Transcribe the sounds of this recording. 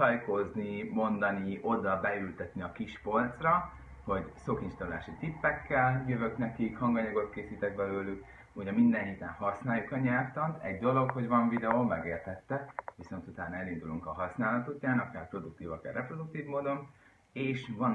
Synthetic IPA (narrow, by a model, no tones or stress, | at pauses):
ɒjko̞znimo̞nd̪ɒnio̞d̪ɒbɛylt̪ɛt̪niɒkiʃpo̞lt̪srɒ | ho̞ɟsokinʃt̪oulaːʃit̪ipːɛkːɛljøvø̞knɛkikhɒŋɡɒɲɒɡo̞t̪keːsiːt̪ɛk̚bɛløːlyk | uɟɛmind̪ɛnhit̪ɛnhɒsnaːjukɒɲɛrt̪ɒnt̪ɛ̰ɟd̪o̞lo̞kho̞ɟvɒɱvid̪ɛomːɛɡeːrt̪ɛt̪ːɛviso̞nt̪ut̪aːnɒɛlind̪uluŋkɒɦɒsnaːlɒt̪ucːaːnɒkaːrpro̞d̪uk̚t̪iːvɒka̰ːrɛpro̞d̪uk̚t̪iːvmoːd̪o̞n | eːʃvɒn